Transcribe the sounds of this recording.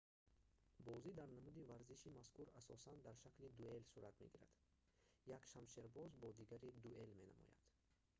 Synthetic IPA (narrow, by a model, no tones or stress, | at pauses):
bɔzid̪aɾnamud̪ivaɾziʃimaskuɾasɔsand̪aɾʃaklid̪ue̞lsuɾat̪meɡiɾa̰d̪̥ | jakʃamʃeɾbɔzbɔd̪iɡaɾid̪ue̞lme̞na̰mɔ̰ja̰d̪̥